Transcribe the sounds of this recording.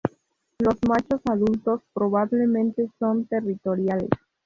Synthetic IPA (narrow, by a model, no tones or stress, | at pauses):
lo̞zmat͡ʃo̞saðult̪o̞spɾo̞βaβle̞mẽnt̪e̞so̞nt̪e̞rit̪o̞ɾjalḛs